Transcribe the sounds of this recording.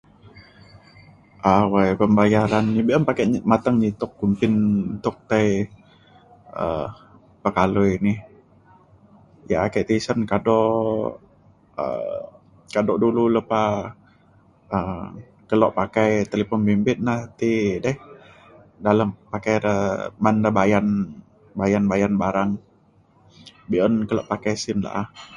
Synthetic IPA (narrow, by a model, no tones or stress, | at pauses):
ʔawajpəmbajaɾanɲibiʔəmpakaʔɲmat̪əŋɲit̪ʊkːumpɪnt̪ʊk̚t̪aj | ə̰ | pəkalojnih | ja̰ʔakəʔt̪isənkadɔʔ | ə̰ | kadɔʔdululəpa | ə | kəlɔʔpakajt̪əlipɔnbimbɪt̪̚naht̪idɛh | daləmpakaɾəbandabajan | bajanbajanbaɾaŋ | biənkəlɔʔpakajsɪnla̰ʔah